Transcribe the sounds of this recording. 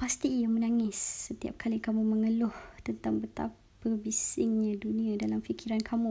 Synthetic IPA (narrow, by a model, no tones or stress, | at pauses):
past̪ijamə̃naŋɪsːət̪ia̰p̚kʰalikamũməŋəlʊht̪ənt̪aŋbət̪a̰p | əbisɪŋɲãdunĩadalamfikʰiɾankʰamũ